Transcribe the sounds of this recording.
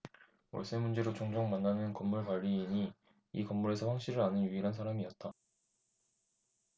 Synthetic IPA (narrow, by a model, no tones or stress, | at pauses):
mʌ̰ɭs͈ɯnmund͡ʑe̞ɾot͡ɕoŋd͡ʑoŋmanːanɯnkʌmːuɭkwaʎːiːɲi | ikʌmːuɾe̞sʰʌɸwaŋɕ͈iɾɯɾanɯnjuiɾɦansʰaɾamiʌt̚t͈a